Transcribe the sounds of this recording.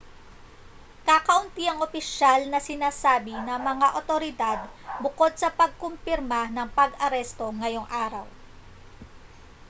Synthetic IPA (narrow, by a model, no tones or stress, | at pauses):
kakɐʔʊnt̪iʔɐŋopɪʃalnɐsɪnaːsaːbɪnɐmɐŋaʔot̪o̞ɾɪd̪ad̪̚bʊko̞d̪̚sɐpɐɡ̚kompɪɾmɐnɐŋpɐɡʔɐɾɛst̪o̞ŋɐjo̞ŋʔaːɾɐw